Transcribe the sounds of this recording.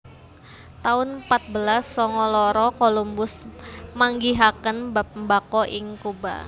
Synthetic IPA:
t̪aʊnpat̪̚bəlasːɔŋɔlɔɾɔkolumbʊsmaŋɡiɦakənbakɔʔɪŋkuba̰

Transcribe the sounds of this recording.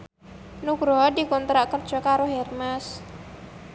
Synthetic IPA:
nuɡɾɔdikɔnt̪ɾaʔkər̥d͡ʒ̥ɔkaɾoɦermas

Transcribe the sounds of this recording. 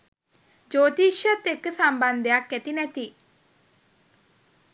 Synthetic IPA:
d͡ʒoːt̪iʃət̪ekːəsamband̪ejakːɛt̪inɛt̪i

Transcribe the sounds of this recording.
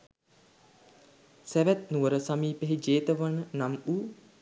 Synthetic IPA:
sæʋæt̪̚nuʋəɾəsamiːpeɦid͡ʒeːt̪əʋanənamuː

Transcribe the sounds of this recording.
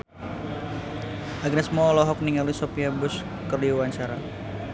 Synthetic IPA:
ʔaɡnɛsmɔlɔɦɔk̚niŋalusɔpiabʊs | kərliwaɲt͡ʃaɾa̰

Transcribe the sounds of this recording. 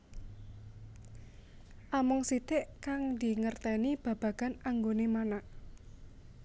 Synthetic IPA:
ʔamʊŋsit̪eʔkaŋd̪i̤ŋərt̪ɛnib̥a̤b̥a̤ɡ̥anaŋɡonemanaʔ

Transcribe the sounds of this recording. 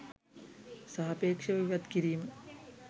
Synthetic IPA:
sɐɦɐpeːkʂɐʋiʋɐd̪kiɾiːm

